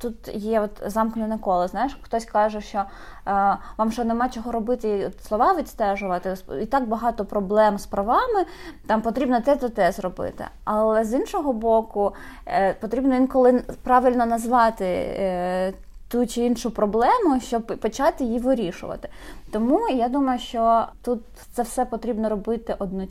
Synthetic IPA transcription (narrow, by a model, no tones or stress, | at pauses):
t̪ut̪jɛɔt̪zɑmknʲʊnɐkɔlˠɪznɑjɪʃxt̪ɔsʲkɑʒɛʃt͡ʃɔ | ʋɑmʃt͡ʃɔnemɑt͡ʃɔɦɔɾɔbɪt̪ɪiɔt̪slˠɔʋɑʋʲit̪ʲst̪ɛʒʊʋɐt̪ɪsit̪ɑkbɐɦɑt̪ɔpɾɔblˠɛmspɾɐʋɑmɪ | t̪ɑmpɔt̪ɾʲibnɔt̪ɛt̪ɔt̪ɛzrɔbɪ̰t̪ɪ̰ɑlˠɛzinʃɔɦɔbɔkʊ | pɔt̪ɾʲibnɔʋinkɔlˠɪpɾɑʋʲɪlʲnɔnɐzʋɑt̪ɪ̰ | t̪ut͡ʃɪinʃʊpɾɔblˠɛmʊʃt͡ʃɔbpːɔt͡ʃɑt̪ɪjiʋɪɾʲiʃʊ̰ʋɐ̰t̪ɪ̥t̪ɔmujad̪umɐjʊʃt͡ʃɔt̪ut̪̚ | t̪sɛwsɛpɔt̪ɾʲibnɔɾɔbɪt̪ɪʔɔd̪nɔ